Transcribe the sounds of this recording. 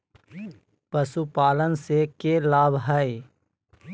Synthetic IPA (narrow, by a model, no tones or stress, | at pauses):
pəsupaːlənsekeːlaːbɦəi